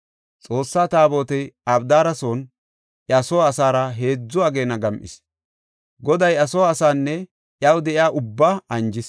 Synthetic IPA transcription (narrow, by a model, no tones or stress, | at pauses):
t͡sʼo̞ːsːaːt̪aːbo̞ːt̪ɛjɐbd̪aːɾɐso̞ːn | ʔɐsoːsaːɾɐɦe̞ːd͡zːʊaːɡe̞ːnɐɡɐmʔɪ̰s | ɡɔd̪ɐjɐsoːsaːnːɛ | ʔjɐwd̪ɛʔɪjaːʔʊbːaːɐnd͡ʒɪs